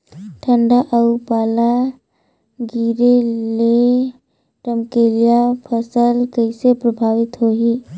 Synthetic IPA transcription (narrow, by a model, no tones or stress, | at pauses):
ʈʰəɳɖaʔəupala | ɡiɾele | ʈəmkelijapʰəsəlkəɪsepɾəbʱaʋit̪ɦoɦi